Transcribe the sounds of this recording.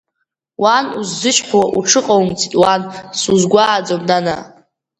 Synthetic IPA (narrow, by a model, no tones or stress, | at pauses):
wanuzːɨʃħʷwaʔuʈ͡ʂʰɨqʼawmt͡sʰitʼwansuzɡʷaːd͡zomdana̰